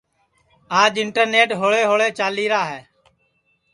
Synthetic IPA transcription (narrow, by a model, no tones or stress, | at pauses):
aːd͡ʒɪɳʈəɾneːʈɦoːɭeːɦoːɭeːt͡ʃaːliːɾaːɦɛː